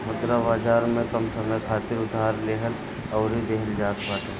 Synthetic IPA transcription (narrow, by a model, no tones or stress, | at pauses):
ʊt̪ɾabaːd͡ʒaːɾmẽkəmsəməjkʰaːt̪ɪɾʊd̪ʱaːɾleːɦəl | ɔːʊɾid̪eɦəld͡ʒaːt̪paːt̪e